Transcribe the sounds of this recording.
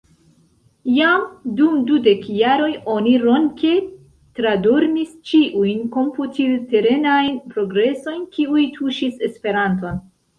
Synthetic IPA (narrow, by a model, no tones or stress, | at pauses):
jamdumdude̞kjaɾo̞jo̞niɾo̞nke | tɾadoɾmist͡ʃiʔujnko̞mputilte̞ɾe̞najnpɾo̞ɡɾe̞so̞jnkiujtʰuʃise̞spe̞ɾanto̞n